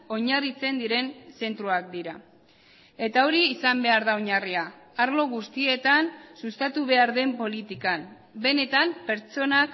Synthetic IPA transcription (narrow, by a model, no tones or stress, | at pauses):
o̞ɲarit͡se̞nd̪iɾe̞nse̞nt̪ɾuak̚d̪iɾa | e̞t̪ao̞ɾiːsambe̞aɾðao̞ɲariaːɾlo̞ɣ̞ust̪ie̞t̪ansust̪at̪uβ̞e̞aɾðe̞mpo̞lit̪ikam | be̞ne̞t̪ampe̞ɾt͡so̞nak